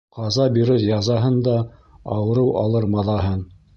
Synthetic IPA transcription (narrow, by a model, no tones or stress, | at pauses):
qɑzɑbiɾɘɾjɑzɑɦɤnd̪ɑ | ɑwɤ̆ɾɤwɑlˠɤɾmɑðˠɑɦɤn